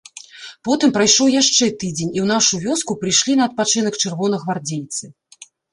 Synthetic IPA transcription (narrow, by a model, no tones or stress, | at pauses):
pɔt̪ɨmpɾajʂɔwjaʂt͡ʂɛt̪ɨd͡zʲenʲiwnaʂuvʲɔskupɾɨjʂlʲinɐɐt̪̚pat͡ʂɨnɐkt͡ʂɨrvɔnɐɣvard͡zʲejʲt̪sɨ